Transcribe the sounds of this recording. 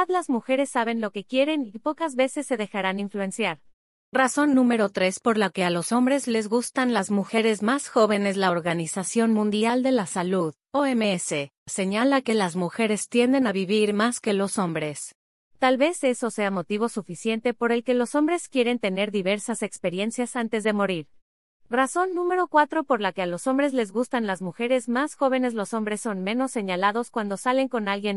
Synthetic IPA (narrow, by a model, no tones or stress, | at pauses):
ðlazmuxe̞ɾe̞sːaβe̞nlo̞ke̞kje̞ɾe̞nipo̞kazβe̞se̞sːe̞ðe̞xaɾaniɱflue̞nsjaɾ | raso̞nːũme̞ɾo̞t̪ɾe̞spo̞ɾlake̞alo̞so̞mbɾe̞zle̞zɣust̪anlazmuxe̞ɾe̞zmasxo̞βe̞ne̞zlao̞ɾɣanisasjo̞nmũnd̪jald̪e̞lasaluð | oemeese | se̞ɲalake̞lazmuxe̞ɾe̞st̪je̞nd̪e̞naβiβiɾmaske̞lo̞so̞mbɾe̞s | t̪alβe̞se̞so̞se̞amo̞t̪iβ̞o̞sufisje̞nt̪e̞po̞ɾe̞lke̞lo̞so̞mbɾe̞skje̞ɾe̞nt̪e̞ne̞ɾðiβe̞ɾsase̞kspe̞ɾje̞nsjasant̪e̞zðe̞mo̞ɾiɾ | raso̞nːũme̞ɾo̞kwat̪ɾo̞po̞ɾlake̞alo̞so̞mbɾe̞zle̞zɣust̪anlazmuxe̞ɾe̞zmasxo̞β̞e̞ne̞zlo̞so̞mbɾe̞sːo̞nmẽ̞no̞sːe̞ɲalaðo̞skwand̪o̞sale̞ŋko̞nalɣje̞n